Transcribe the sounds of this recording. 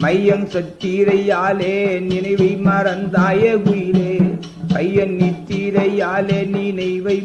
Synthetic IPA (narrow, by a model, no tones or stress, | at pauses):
mɐjːɐnsɐt̪ːiːɾɐjaːlenɪnɐɪʋɐɪmɐɾɐnd̪aːjekʊjɪleː | mɐjːɐnnit̪ːiːɾɐjaːleːninɐɪʋɐɪ